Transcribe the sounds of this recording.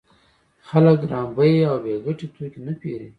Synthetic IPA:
xaləkɾɑmbəjawbeɡəʈet̪ʰokinapeɾi

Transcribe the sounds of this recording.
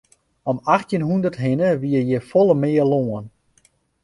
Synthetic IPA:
ɔmaxtjənɦundərtɦɪnəʋiəjɛfɔlˠəmɪːəloːən

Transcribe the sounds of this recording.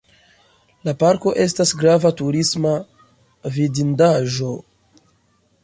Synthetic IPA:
lapaɾko̞ʔe̞s̬tasɡɾavatuɾisma | vidindaʒo̞

